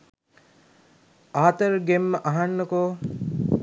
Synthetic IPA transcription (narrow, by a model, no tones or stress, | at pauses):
aːt̪əɾɡemːəʔaɦanːəkoː